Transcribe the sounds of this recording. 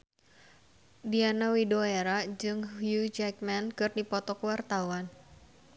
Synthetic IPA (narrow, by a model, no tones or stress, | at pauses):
dianawidoeɾad͡ʒɨŋhjud͡ʒɛk̚mɛnkɨrdipɔt̪ɔkwart̪awan